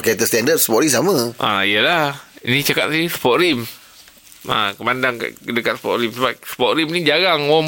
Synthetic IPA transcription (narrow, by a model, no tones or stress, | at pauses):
kat̪əst̪ɛndər̚səpɔɾisaməʔa̰ijəlahnit͡ʃakat̪̚sisə̥pɔʔɾim | a̰kəmandaŋka̰kədəkat̪̚sə̥pɔ̰ʔɾimsəbap̚sə̥pɔʔ̪ɾimnid͡ʒaɡaŋwɔm